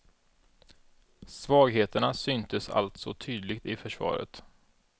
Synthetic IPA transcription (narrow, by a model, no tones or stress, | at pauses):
svɑːɡɦeːt̪əɳasʏnt̪ʰəsa̰lt̪sɔt̪ʰyːd̪lɪɡt̪ɪfœʂvɑ̰ːɾə̰t̪